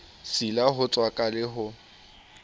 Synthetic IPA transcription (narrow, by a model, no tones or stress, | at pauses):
silaɦʊt͡sʼwakʼalɪɦʊ